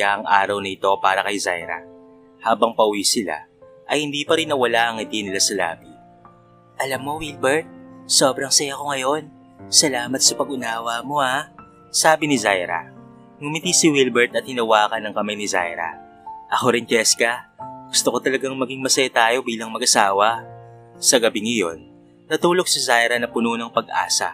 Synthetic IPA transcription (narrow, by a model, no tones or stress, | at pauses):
aʔɐŋʔa̰ːɾɐwnɐɪt̪o̞paːɾɐkɐjza̰jɾɐ̰ | haːbɐŋpɐʔʊwisɪla̰ | ʔɐjhɪnd̪iːpɐɾɪnːɐwɐlaʔɐŋɪt̪inɪlasɐla̰ːbi | ʔɐlɐmːowilbɛɹt̪̚so̞ːbɾɐŋsɐjako̞ŋɐjo̞n | sɐlaːmɐt̪̚sɐpɐɡʊnaːwɐmo̞a | saːbɪnɪzajɾɐ̰ | ŋʊmɪt̪isɪwilbɛɹt̪ɐt̪hɪnɐwaːkɐnɐŋkɐmajnɪza̰jɾɐ̰ | ʔɐxo̞ɾɪnt͡ʃɛskɐɡ̥ʊst̪oko̞t̪ɐlɐɡaŋmɐɡiŋmɐsɐjat̪aːjo̞biːlɐŋmɐɡʔɐsaːwɐ | sɐɡɐbiŋɐjo̞nː | ɐt̪uːlo̞ɡ̚sɐzajɾɐnɐpʊnuːnɐŋpɐɡʔa̰ːsɐ̰